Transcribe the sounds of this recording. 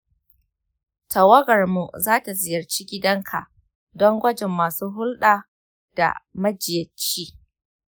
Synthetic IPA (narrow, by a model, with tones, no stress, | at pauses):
tʰɐ˨wɐ˦ɡɐ˨rmu˨zaː˦ta˨zɪ˨jɐ˨rt͡ʃiː˦ɡʲɪ˦dɐ˦ŋkʰa̰˨ʔ | dɔ˦ŋɡʷɐ˦d͡ʒɛ˨mːaː˨suː˦ɦʊ˦lɗaː˨ | d̥a̰˨mɐ˦d͡ʒɪ˨jɐ˨t͡ʃːiː˦